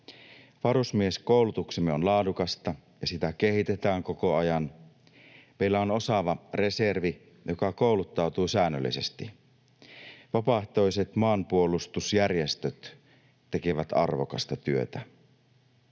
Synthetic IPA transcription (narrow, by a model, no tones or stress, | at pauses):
ʋɑɾusmieskowlut̪uksemːeo̞nlɑːdukɑst̪ɑjɑsit̪æke̞hit̪e̞t̪æːŋko̞ko̞ɑjɑn | meilːæo̞no̞sɑʋɑre̞se̞rʋi | jokɑko̞ˑwlut̪ːɑwt̪ujsæːnːø̰lːḭse̞st̪i | ʋɑpɑht̪o̞jset̪mɑːmpuolust̪usjærjest̪øt̪ː | ekeʋæt̪ɑ̰rʋo̰kɑ̰st̪ɑt̪yø̞̰t̪æ